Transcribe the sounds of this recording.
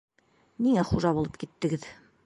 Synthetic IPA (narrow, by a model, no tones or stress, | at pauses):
niŋæχuʒɑbulˠɤp̚kit̪ːɘ̆ɡɘð